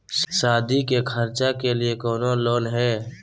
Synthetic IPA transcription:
ʃaːd̪ʱikekʰəɾt͡ʃakeliekɔːnoloːnɦɛː

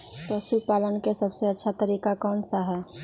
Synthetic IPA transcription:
t̪osupaːlənkesəbseɐtːʃʰat̪əɾiːkakɔːnsaɦɛː

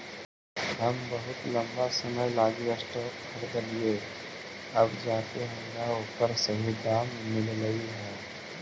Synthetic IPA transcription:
ɦəmbəɦʊt̪lɐ̃mbasɐməjlaːɡəsʈəkʰəɾd̪əlie | əbd͡ʒaːt̪eɦɛ̃jaɦoːkəɾsɐɦid̪aːmmɪlləiɦɛ̃ː

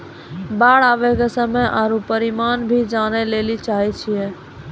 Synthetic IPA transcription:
baːɽaːʋɛkesəmejʔaːɾupəɾimanbʱid͡ʒanɛlelit͡ʃaːɦɛt͡ʃʰijɛ

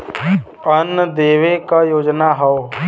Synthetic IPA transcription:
ənːəd̪eːʋekajoːd͡ʒnaɦɔo

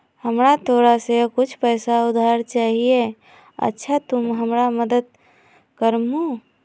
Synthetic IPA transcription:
həmɾat̪oɾasekʊt͡ʃʰpəɪsaud̪ʱaɾt͡ʃaɦie | ə̰tːʃʰat̪umɦəmɾaməd̪əd̪̚ | kəɾmu

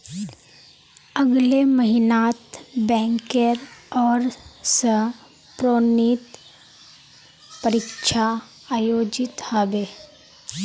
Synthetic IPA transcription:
əɡleməɦɪnaːt̪bɛ̃ːŋkeɾɔːɾsə | pɾoːnit̪ | pəɾɪkʃa | aːjoːd͡ʒɪt̪habeː

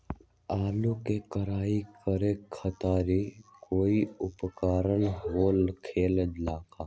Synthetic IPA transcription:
aːlukekəɾaːikəɾekʰːət̪aːɾikoːiʊpkaːɾənɦoːlkʰeːləd͡ʒlaːkʰaː

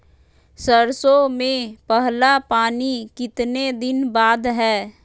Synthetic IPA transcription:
səɾsomẽpəɦlapaːnikɪt̪ned̪ɪnbaːd̪ɦɛː

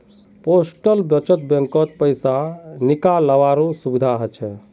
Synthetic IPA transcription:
posʈəlbjət͡ʃət̪bẽŋkət̪̚pəjsanikaləʋaɾosubid̪ʱaɦət͡ʃʰɛ

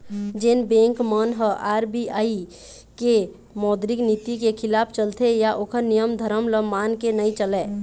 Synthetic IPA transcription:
d͡ʒenbẽːŋkmənɦəʔaːɾbiaːi | ke | mɔːd̪ɾɪknit̪ikekʰɪlaːpʰt͡ʃəlt̪ʰejaʔoːkʰəɾnijəmd̪ʱəɾəmləmaːnkenəĩt͡ʃəlɛː

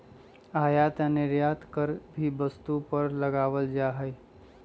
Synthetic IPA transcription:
aːjat̪janɪɾjaːt̪kəɾbʱibəst̪upəɾləɡaːʋəld͡ʒaɦəj

